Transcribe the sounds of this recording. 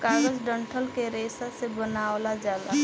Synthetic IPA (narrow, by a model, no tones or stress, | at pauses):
kaːɡəd͡ʒɖə̃ɳʈʰəlkeɾeːsasebənaːwlad͡ʒjaːd̪a